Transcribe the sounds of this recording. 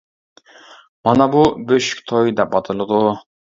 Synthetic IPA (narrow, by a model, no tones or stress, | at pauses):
mɑnɑbubøʃy̥kʲt̪ʰojd̪ɛp̚bɑt̪ʰɨlˠɨd̪u